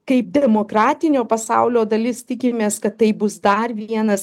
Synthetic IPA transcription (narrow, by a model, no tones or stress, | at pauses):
kɐɪp̚d̪ʲɛmoːkɾɑːt̪ʲɪnʲoːpɐsɑʊlʲoːd̪ɐlʲɪst̪ʲɪkʲɪmʲeːskɐt̪ːɐɪbʊsd̪ɐrʋʲiɛnɐs